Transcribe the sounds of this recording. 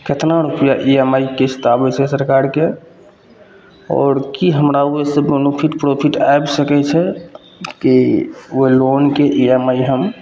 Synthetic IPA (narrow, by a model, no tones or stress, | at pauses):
kət̪ʰnaɾupəjaʔiemaikest̪abɛt͡ʃʰɛsəɾkaɾke | ɔ̰ːɾkiɦəmɾauesəbənupʰiʈpɾopʰiʈajbsəkɛt͡ʃʰɛ | kiuelonkeʔiemaiɦəm